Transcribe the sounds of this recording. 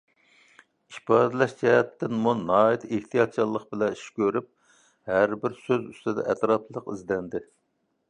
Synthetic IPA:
iʃpɑːd̪ɨlɛʃd͡ʒɛɛt̪ːɪnmunɑːit̪eht̪ʰijɑt̪̚t͡ʃʰɑlˠːəq̚bɪlɛiʃkʲøɾyp̚ | hæɾbɪɾsøzy̰st̪ɪd̪ɛ̰ʔɛt̪ɾɑplˠəqizd̪ɛnd̪ɪ

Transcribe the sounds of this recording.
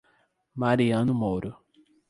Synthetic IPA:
maɾiɐ̃nʊmoɾʊ

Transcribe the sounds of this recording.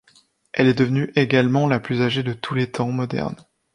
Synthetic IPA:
ɛlɛd̪əvnyʔeɡalmɑ̃laplyzaʒed̪ət̪ʰulet̪ʰɑ̃mɔd̪ɛ̰ʁn

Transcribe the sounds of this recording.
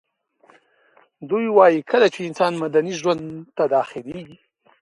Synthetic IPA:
d̪ujwɑjikʰəlat͡ʃeɪnsɑnmad̪aniʒwand̪t̪ad̪ɑxɪleɡi

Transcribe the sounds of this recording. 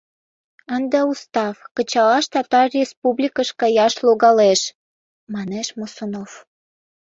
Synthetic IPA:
ənd̪əust̪ɑfkət͡ɕɑlɑʃt̪ɑt̪ɑrrʲespublʲikəʃkɑjɑʃloɣɑleʃ | mɑneʃmosonof

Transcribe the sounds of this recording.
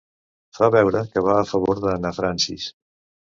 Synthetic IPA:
faβɛwɾəkəβaːfəβoɾðənafɾansḭs

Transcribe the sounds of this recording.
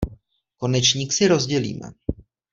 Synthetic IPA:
ko̞nɛt͡ʃɲiːksɪɾo̞zɟɛlḭːmɛ̰

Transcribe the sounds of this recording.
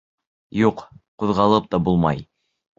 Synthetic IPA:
juqquðʁɑlˠɤp̚t̪ɑbulˠmɑ̰j

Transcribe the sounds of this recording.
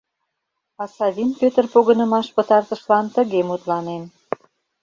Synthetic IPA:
ɑsɑβʲinpʲøt̪ərpoɣə̆nə̆mɑʃpət̪ɑrt̪əʃlɑnt̪ə̆ɣemut̪lɑnen

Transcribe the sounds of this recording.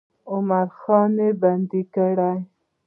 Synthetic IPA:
ʊmaɾxɑneband̪ikəɽaj

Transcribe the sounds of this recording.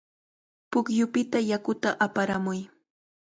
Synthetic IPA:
pʊkjʊpɪt̪ajakʊt̪aʔapaɾamʊj

